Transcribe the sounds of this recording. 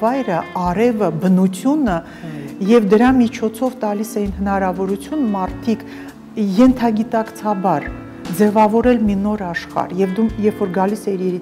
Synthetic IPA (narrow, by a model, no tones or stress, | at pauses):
ɑjɾəɑɾɛvəbənut͡sʰjunə | jɛvd̪əɾɑmit͡ʃʰɔt͡sʰɔvt̪ɑlisɛjinhənɑɾɑvɔɾut͡sʰjunmɑɾt̪ʰikʰ | jɛnt̪ʰɑɡit̪ɑkt͡sʰɑbɑɾ | d͡zɛvɑvɔɾɛlminɔɾɑʃχɑ̰ɾjɛvd̪ujɛɾfɔɾɡɑlisɛiɾɛɾi